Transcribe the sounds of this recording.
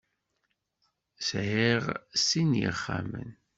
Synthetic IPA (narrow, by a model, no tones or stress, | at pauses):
sʕiʁsinjə̰χːamə̰n